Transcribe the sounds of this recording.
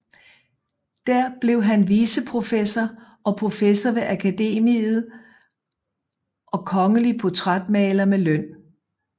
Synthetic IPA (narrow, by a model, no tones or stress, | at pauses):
d̥æɐ̰b̥le̝ʊɦænʋiːsəpʰʁo̝fesɐ | ɒ̽pʰʁo̝fesɐʋe̝ʔækʰæd̥e̝̰ːmið̩ˠ | ʔɒ̽kʰɒ̽ŋəliəpʰo̝t͡sʰʁɑd̥mɛ̰ːlɐmeløn̰